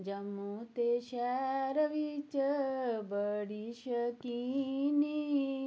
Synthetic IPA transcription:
d͡ʒɐmut̪eʃɛɾəʋit͡ʃəbəɽiʃəkini

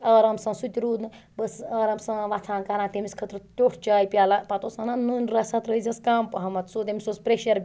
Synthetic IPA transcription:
ɐːɾɐmsɐ̃sut̪ʲiɾuːd̪nɨ | bəsɐːɾɐmsɐ̃ʋat͡s̪ʰaːnkanãːt̪emiskʰɐt̪ɾɨt̪ʲoːʈʰt͡ʃaːipʲjaːlɐpɐt̪osɐnanunɾɐsɐt̪ɾəzʲɐskaːmpɐɦɐmɐt̪soːt̪emisospɾeʃɐɾ

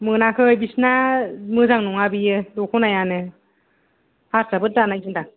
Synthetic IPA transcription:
mɯnakʰɯjbisnamɯzaŋnɔŋabijɯdɔkʰunajanɯ | haɾsabɯt̚danajzɯnda

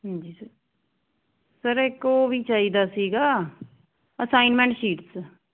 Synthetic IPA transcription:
ɦə̃nd͡ʒiːsəɾ | səɾekoːʋiːt͡ʃaːiːd̪aːsiːɡaː | əsaːɪnmɛ̃ɳʈʃiːʈs

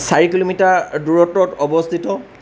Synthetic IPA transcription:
saɹikilomitaduɹɔtːɔtɔbɔstʰitɔ

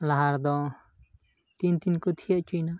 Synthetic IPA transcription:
laɦaɾd̪ɔ̃ | t̪int̪inkut̪ʰijaʔt͡ʃuna

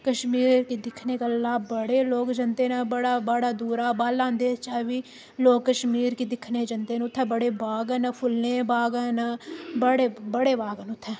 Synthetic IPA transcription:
kəʃmiːɾkiːd̪ɪkʰneːkalaːbəɽeːloːkd͡ʒənd̪eːnabəɽaːbəɽaːd̪uːɾaːbaːlːãːnd̪eːt͡ʃaːʋiː | loːkːəʃmiːɾkiːd̪ɪkʰneːd͡ʒənd̪eːnʊt̪ʰːɛːbəɽeːbaːɡənəpʰʊlneːbaːɡɛːnabəɽeːbəɽeːbaːɡənʊt̪ʰːɛ̃ː

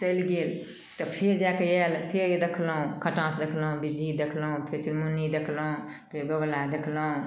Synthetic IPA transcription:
t͡ʃəlɡeːl | t̪ɔpʰeɾd͡ʒakeɛlpʰeɾd̪ekʰlũkʰəʈãsd̪ekʰlũbid͡ʒid̪ekʰlũpʰeɾt͡ʃiɾmunid̪ekʰlũpʰeɾɡəɡlad̪ekʰlũ

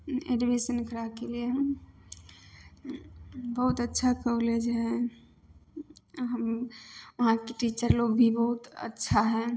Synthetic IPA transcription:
eɖibesənkəɾakelieɦ | bəɦut̪ətːʃʰakəuled͡ʒeɦɛ̃ | ɦəmʋəɦãkeʈit͡ʃəɾloɡbʱibəɦut̪ə̰tːʃʰaɦɛ̃

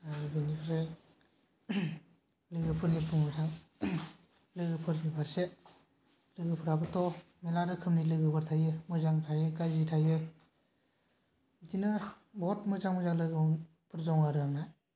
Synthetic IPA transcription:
abinipʰɾe | lɯɡɯpʰɯɾnipʰɯmɯtʰaŋ | lɯɡɯpʰɯɾmipʰaɾse | lɯɡɯpʰɯɾabɯtɔ | melaɾɯkʰɯmnilɯɡɯbʰɯɾtʰajɯmɯzaŋtʰajɯkazitʰajɯ | tinɯ | bɔɔtmɯzaŋmɯzaŋlɯɡɯ | pʰɯɾzɔŋaɾɯaŋnaj

